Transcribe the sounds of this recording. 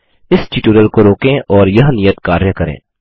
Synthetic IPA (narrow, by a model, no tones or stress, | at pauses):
ɪsʈiːʈuːɾəlkoɾoːkẽʔɔːɾjɐɦnijət̪kaːɾjəkɐɾḛ̃ː